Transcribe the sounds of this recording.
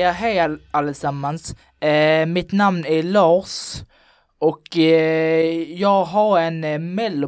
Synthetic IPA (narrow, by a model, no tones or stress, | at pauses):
aɦɛjalːəsamːans | mɪt̪namnæɾɭɑːʂ | ʔɔk | jɑːɡɦaɾɛnmɛlːʊ